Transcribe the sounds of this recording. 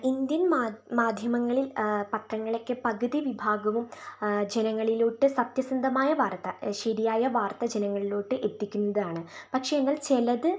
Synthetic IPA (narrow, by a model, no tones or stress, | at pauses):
ind̪jɐnmamaːd̪ʱjɐmɐŋːɐɭilpɐʈrɐŋːɐɭekʲːɨpɐɣɐðiʋibʱaːɡɐʋumd͡ʑenɐŋːɐɭiloːʈːɨsɐp̚t̪jɐsɐnd̪ʱɐmaːjɐʋaːrt̪ːɐʂeːðijaːjɐʋaːrt̪ɐd͡ʑenɐŋːɐɭiloːʈːɨʔe̞t̪ːikʲːunːɐðaːɳɨpɐkʂe̞enːaːlt͡ɕelɐðɨ